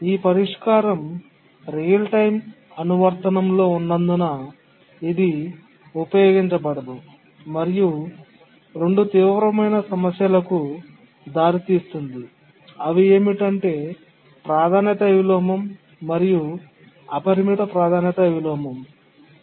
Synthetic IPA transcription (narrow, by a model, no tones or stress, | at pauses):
iːpɐɾiʂkaːɾɐm | ɾijɐlʈɐjm | ɐnuʋɐɾt̪ɐnɐmlo̞ːunːɐnd̪unɐ | id̪i | upɐjo̞ːɡiɲt͡ʃɐbɐɽɐd̪u | mɐɾiju | ɾe̞ɳɖut̪iːʋʋɾɐmɐjnɐsɐmɐsjɐlɐku | d̪aːɾit̪iːst̪und̪i | ɐʋie̞ːmiʈɐɳʈe̞ː | pɾaːd̪ʱaːnjɐt̪ɐʋilɔːmɐmː | ɐɾiju | ɐpɐɾimiʈ̪ɐpɾaːd̪ʱaːnjɐt̪ɐʋilɔːmɐm